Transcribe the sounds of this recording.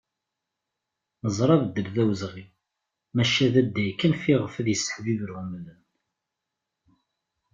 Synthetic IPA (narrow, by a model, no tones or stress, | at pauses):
nəzˤɾˤɑvd̪ːəlðæwəzʁi | mæʃæðæd̪ːæjkːənfiʁəfæðjəsːə̥ħvivəɾəmlən